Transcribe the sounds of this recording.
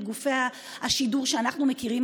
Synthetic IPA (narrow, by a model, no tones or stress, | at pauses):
ɡufe̞a | haʃiduʁʃeanaχnume̞kiʁim